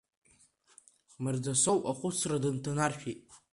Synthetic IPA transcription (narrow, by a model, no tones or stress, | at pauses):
mɨrd͡zasowʔaχʷʊt͡sʰradɨntʰanarʃᶣetʼ